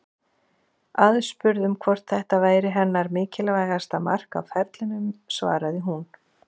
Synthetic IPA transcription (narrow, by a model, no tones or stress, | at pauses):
aðspʏɾðʏmkʰvɔr̥t̪θɛht̪avaːjɾɪɦɛnːaɾmɪːcɪlavaːjɣast̪ama̰r̥ka̰wfɛɾt̪lɪnʏmsva̰ːɾaðɪɦun